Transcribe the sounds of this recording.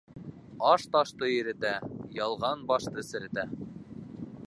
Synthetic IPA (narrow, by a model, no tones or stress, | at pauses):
ɑʃt̪ɑʃt̪ɤjɘ̆ɾɘ̆t̪æjɑlˠʁɑnbɑʃt̪ɤsɘ̆ɾɘ̆t̪æ